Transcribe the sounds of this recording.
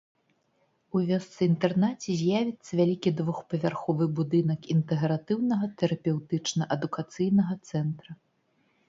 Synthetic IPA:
uvʲɔst̪sɨint̪ɛrnat͡sʲɛzʲjavʲit̪sːɐvʲalʲikʲid̪vuxpɐvʲarxɔvɨbud̪ɨnɐkint̪ɛɣɾat̪ɨwnɐɣɐt̪ɛɾɐpʲɛwt̪ɨt͡ʂnɐʔɐd̪ukat̪sɨjnɐɣɐt̪sɛnt̪ɾɐ

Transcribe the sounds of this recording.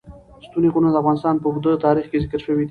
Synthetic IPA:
st̪uniɣunad̪əafɣɑnɪst̪ɑnpəuɾd̪ət̪ɑɾixkezɪkəɾʃəwid̪i

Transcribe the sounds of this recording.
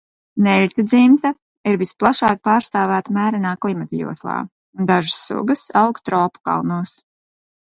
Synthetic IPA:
nɛlʲt̪ad̪zimt̪a | iɾvisplˠaʃaːk̚paːɾst̪aːvæːt̪amæːɾɛnaːklˠimat̪jṵɔslˠɑ̰ː | und̪aʒɨsːṵɡɨsawkt̪ɾɔːpu̥ka̰lˠnuɔs

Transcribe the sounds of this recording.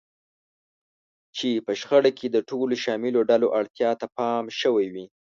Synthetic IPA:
t͡ʃepəʃxəɽakʰed̪əʈoloʃɑmɪloɖaloʔaɽt̪jɑt̪apɑmʃəwajwi

